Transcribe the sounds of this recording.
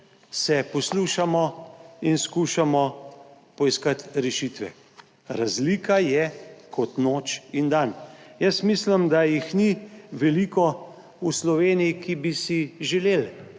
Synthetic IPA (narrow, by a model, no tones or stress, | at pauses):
sɛpɔsluːʃamɔinskuʃamɔ | pɔiskat̪ɾɛʃit̪ʋɛ̰ | ɾazlikajɛkʰɔt̪noːt͡ʃind̪anjəsmislimd̪ajixniʋɛlikɔ | uslɔʋeːnijikibisiʒɛleːl